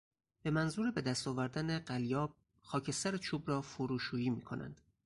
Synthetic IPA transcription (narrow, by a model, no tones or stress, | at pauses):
b̥e̞mænzuːɾebe̞d̪æst̪ɒːvæɾd̪æne̞ɢæljɒːb̥̚ | xɒːcʰe̞st̪æɾet͡ʃʰuːbrɒːfoɾuːʃuːjiːmiːkʰo̞̰næ̰nd̪̥